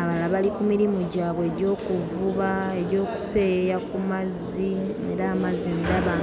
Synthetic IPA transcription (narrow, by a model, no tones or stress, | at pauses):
aβalaβalikumiɾimuɟaːβwe̞ɟo̞ːkuvuβae̞ɟo̞ːku̥se̞ːjakumaz | iḛɾaːmazindaβa